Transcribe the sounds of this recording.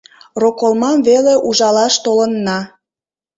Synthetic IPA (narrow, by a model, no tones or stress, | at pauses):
rokolˠmɑmveleʔuʒɑlɑʃt̪olənːɑ